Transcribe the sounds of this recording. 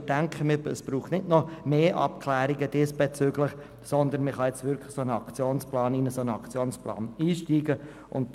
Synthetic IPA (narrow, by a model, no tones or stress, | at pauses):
d̥ɛŋkχəmɪəsb̥ɾuːχtnɪtnɔmeːʔɑ̰pkʰlɛːɾiɡəd̥ɪsb̥ɛt͡syːɡlɪχ | sɔnd̪ənmɪχɑjɛt͡stvʏɾkʰlɪ̥sonəɑkt͡sjoːnsplɑːninəsonəɑkt͡sjoːnsplɑ̰ːniːʃtiːɡə | ʔʊ̰nt̚